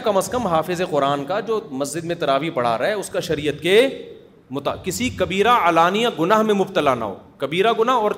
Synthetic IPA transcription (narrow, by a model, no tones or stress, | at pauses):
kɐməskəmɦaːfɪzeqʊɾaːnkad͡ʒoːmɐsd͡ʒɪd̪mẽt̪ɐɾaːʋipɐɽ̤a̰ːɾɐɦɛʊskaʃɐɾijət̪ke | mʊt̪akɪsikɐbiːɾaaːlaːnijaɡʊnaːɦmẽmʊbt̪əlana̰ɦo̰ːkɐbiːɾaɡʊnaɦɔːɾ